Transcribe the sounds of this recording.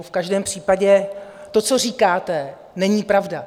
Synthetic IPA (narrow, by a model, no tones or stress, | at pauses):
fkaʒdɛːmpr̝̥iːpaɟɛ | t̪o̞t͡so̞riːkaːt̪ɛ | nɛɲiːpɾavda